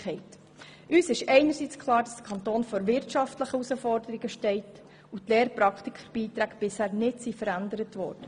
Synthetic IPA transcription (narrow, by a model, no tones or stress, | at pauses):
ɛɪt | ʔyːsɪʃɛɪnəsit͡skʰlɑːɾd̥ɑsd̥̪ə̥kʰɑnt̪oːnfɔɾʋɪɾtʃɑftləχəusəfɔɾdəɾiɡəʃtɛɪt | utleːɾpɾɑkχtikχəɾb̥iːt̪ɾæːɡb̥ɪshæːɾnɪdsifəɾændəɾətʋɔ̰ːɾd̥ə